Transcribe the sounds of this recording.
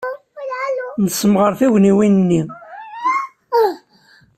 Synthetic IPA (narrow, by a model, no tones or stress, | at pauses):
nəsəmʁəɾˤθiwniwinnːi